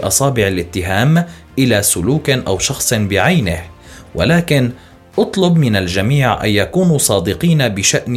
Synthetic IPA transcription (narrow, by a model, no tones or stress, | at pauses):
ʔɑsˤɑːbɪʕalʔɪt̪ːɪɦaːmʔɪlaːsʊluːkʔa̰wʃɑxsˤbɪʕajnɪh | wʔa̰laːkɪn | ʔʊt̪ˤlʊbmɪnald͡ʒamiːʕʔa̰njakuːnuːsˤɑːd̪ɪqiːnabɪʃaʔn